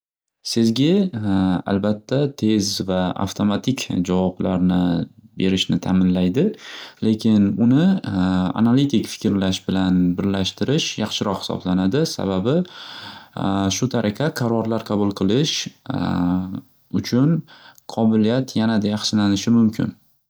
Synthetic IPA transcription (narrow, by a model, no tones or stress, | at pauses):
sɪzɡʲɪ | a̰lbat̪ʰːat̪ʰe̞zvaa̰ft̪ʰo̞mat̪ʰɪkʲd͡ʒavɒbla̰ɾnɪbe̞ɾɪʃnɪt̪ʰaːmɪnlajd̪ɪle̞kʲʰɪnʊnɪ | a̰nalit̪ʰɪkʲfɪ̥kʲɾlaʃbɪlanbɪɾlaʃt̪ɪɾɪʃjɑχʃɪɾɒqhɪ̥sɒ̰blanad̪ɪsa̰babɪ | ʃʊt̪ʰaɾʔakʰɑqʰɑɾɒɾlaɾqʰɑbʊlˠqʰɨlˠɪʃ | ʊt͡ʃʰʊnqʰɒbɪlijat̪ʰjanad̪ajɑχʃɪlanɪʃɪmʊmkʲʰɪ̰n